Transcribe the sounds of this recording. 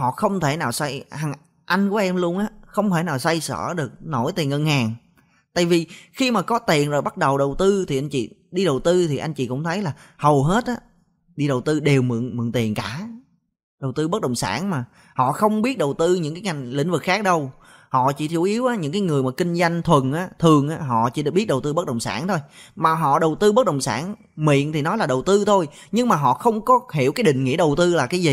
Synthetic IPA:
hɔ̰˧˨xə˧wŋ͡mt̪ʰe˧˩naː˨˩wsa˧jha˨˩ŋ | ʔa˧jŋ̟ku˧˩əʔɛ˧mlu˧ənʔaː˨˦xə˧wŋ͡mt̪ʰe˧˩naː˨˩wsa˧jsə̰ː˧˩ɗɨ˨˩ək̚no˧˩jt̪i˨˩ənhəː˨˩nhaː˨˩n | t̪a̰ː˧˨jvi˨˩xi˧maː˨˩kɔ˨˦t̪i˨˩ənzo˨˩jɓa˦˥t̚ɗə˨˩wɗə˨˩wt̪ɨ˧t̪ʰi˨˩ʔa˧jŋ̟t͡ɕḭ˧˨ɗi˧ɗə˨˩wt̪ɨ˧t̪ʰi˨˩ʔa˧jŋ̟t͡ɕḭ˧˨kʊ̰˧˥ŋ͡mt̪ʰə˨˦jlaː˨˩hə˨˩wɦe˦˥t̚ʔaː˨˦ | ɗi˧ɗə˨˩wt̪ɨ˧ɗe˨˩wmɨ̰˧˨əŋmɨ̰˧˨ŋt̪i˨˩ənkaː˧˩ | ɗə˨˩wt̪ɨ˧ɓə˦˥ɗə̰˨˩wŋ͡msa̰ː˧˩nmaː˨˩ | hɔ̰˧˨xə˧wŋ͡mɓi˦˥ət̚ɗə˨˩wt̪ɨ˧ɲɨ̰˧˥ŋkaː˨˦jŋa˨˩jŋ̟lḭ̈˧˥ŋ̟vɨ˨˩k̚xaː˦˥k̚ɗə˧w | hɔ̰˧˨t͡ɕi˧˩t̪ʰu˧˩ʔi˨˦əwʔaː˨˦ɲɨ̰˧˥ŋkaː˨˦jŋɨ˨˩əjmaː˨˩kï˧ŋ̟za˧jŋ̟t̪ʰwə˨˩nʔaː˨˦t̪ʰɨ˨˩əŋʔaː˨˦ɦɔ̰˧˨t͡ɕḭ˧˩ɓi˦˥ət̚ɗə˨˩wt̪ɨ˧ɓə˦˥k̚ɗə˨˩wŋ͡msa̰ː˧˩nt̪ʰo˧jmaː˨˩ɦɔ̰˧˨ɗə˨˩wt̪ɨ˧ɓə˦˥t̚ɗə˨˩wŋ͡msaː˧˩n | mḭ˧˨ənt̪ʰi˨˩nɔ˨˦jlaː˨˩ɗə˨˩wt̪ɨ˧t̪ʰo˧jɲɨ˧ŋmaː˨˩ɦɔ̰˧˨xə˧wŋ͡mkɔ˨˦hḭ˧˩əkaː˨˦jɗḭ̈˧˨ŋ̟ŋḭ˧˥əɗə˨˩wt̪ɨ˧laː˨˩kaː˨˦jzi˨˩

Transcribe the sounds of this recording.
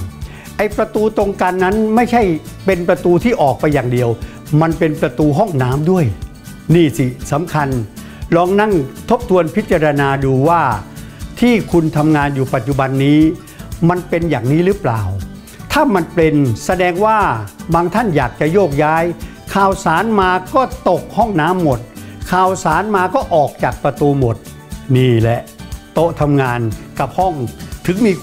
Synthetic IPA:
ʔa˧jpɾa˧t̪uː˧t̪o˧ŋka˧nːa˦˥nma˥˩jt͡ɕʰa˥˩jpe˧npɾa˧t̪uː˧t̪ʰiː˥˩ʔɔː˨˩k̚pa˧jːaː˨˩ŋdi˧əw | ma˧npe˧npɾa˧t̪uː˧ɦɔ˥˩ŋnaː˦˥mdu˥˩əj | niː˥˩si˧˩sa˩˦mkʰa˧n | lɔː˧ŋna˥˩ŋt̪ʰo˦˥p̚t̪ʰu˧ənpʰi˦˥t̪̚t͡ɕa˧ɾa˧naː˧duː˧waː˥˩t̪ʰiː˥˩kʰu˧nt̪ʰa˧mŋaː˧njuː˨˩pa˨˩t̪̚t͡ɕu˨ba˧nːiː˦˥ | ma˧npe˧njaː˨˩ŋniː˦˥ɾɯː˦˥plaː˨˩w | t̪ʰaː˥˩ma˧npe˧nsa˧dɛː˧ŋwaː˥˩baː˧ŋt̪ʰa˥˩njaː˨˩k̚t͡ɕa˨˩joː˥˩k̚jaː˦˥j | kʰaː˨˩wsaː˩˦nmaː˧kɔː˥˩t̪o˨˩k̚hɔ˥˩ŋnaː˦˥mːo˨˩t̪̚kʰaː˨˩wsaː˨˩˦nmaː˧kɔː˥˩ʔɔː˨˩k̚t͡ɕaː˨˩k̚pɾa˧t̪uː˧mo˨˩t̪̚ | niː˧˥˩lɛ˨˩ʔt̪o˦˥ʔt̪ʰa˧mŋaː˧nka˨˩p̚hɔ˥˩ŋt̪ʰɯ˩˦ŋmiː˧

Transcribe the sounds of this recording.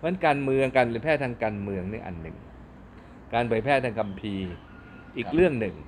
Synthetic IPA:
mɯ˦˥ənkaː˧nmɯ˧əŋkaː˧npʰɯː˩˦pʰɛː˥˩t̪ʰaː˧ŋkaː˧nmɯ˧əŋnḭ˧˩ʔa̰˨˩nːɯ̰˨˩ŋ | kaː˧npʰɯː˨˦jpʰɛː˥˩t̪ʰaː˧ŋkʰa˧mpʰiː˧ | ʔiː˨˩k̚ɾɯ˥˩əŋnɯ˨˩ŋ

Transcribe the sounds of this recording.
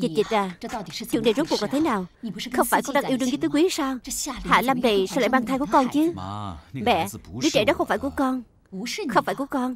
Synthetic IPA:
t͡ɕi˨˩t̚t͡ɕi˨˩t̚zaː˨˩˧t͡ɕṵ˧˨ənɗe˨˩zo˦˥t̚kka˨˩t̪ʰːnaː˨˩wxə˧wŋ͡mfaː˧˩jkɔ˧ŋɗaː˧ŋʔi˧wɨ˧ŋzɨ˨˦t̪ɨ˨˦kwi˨˦˨saː˧wha̰ː˧˨la˧mnə˨˩sla̰˧˨ɓaː˧ŋt̪ʰaː˧jku˧˩ə˦kɔ˧nt͡ɕɨ˨˦ | ɓɛ̰˧˨ɨ˨˦t͡ɕɗɔ˨˦xə˧wŋ͡mfaː˧˩ku˧˩əkɔ˧n˦ | xə˧wŋ͡mfaː˧˩jku˧˩əkɔ˧n

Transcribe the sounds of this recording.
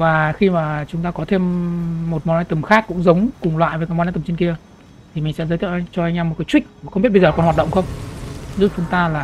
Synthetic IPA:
vaː˨˩xi˧maː˨˩t͡ɕʊ˨˦ŋ͡mt̪aː˧kɔ˨˦t̪ʰe˧mːo˨˩t̚mɔ˨na˨˦jt̪ɨ˨˩mxaː˦˥kːʊ̰˧˥ŋ͡mzə˨˦wŋ͡mkʊ˨˩ŋŋ͡mlwa̰ː˧˨jvəː˨˦kaː˨˦m˨˧˨t̪t͡ɕe˧nki˧ə | t̪ʰi˨˩mï˨˩ŋ̟sɛ̰˧˥zəː˨˦t̪ʰwʔŋt͡ɕɔ˧ʔa˧jŋ̟ʔaː˧mo˨˩t̚kaː˨˦jt͡ɕwï˦˥k̟̚ːxə˧ŋ͡mbi˦˥t̚ɓzːkɔ˨˩hwaː˨˩ɗə˧˨ŋ͡mxə˧wŋ͡mzu˦˥t͡ɕʊ˨˦ŋ͡mt̪aː˧laː˨˩

